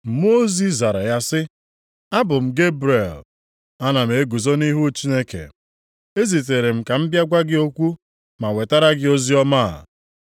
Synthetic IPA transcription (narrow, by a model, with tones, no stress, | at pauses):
m̩˨mo˦o˦zi˦za˨ɾa˨ja˦sɪ˦ | a˦bʊ˨m̩˦˨ɡe˦bɾe˨l | a˦na˨m̩˨e˨˦ɡu˨zo˦ni˦ɦu˦t͡ʃi˦ne˦kḛ˨ | e˦zi˨t̬e˨ɾe˨m̩˨ka˨m̩˦bja˦ɡʷa˦ɡɪ˦o˦kʷu˦ | ma˨we˨ta˦ɾa˦ɡɪ˦o˦zi˦ɔ˦ma˦a̰˨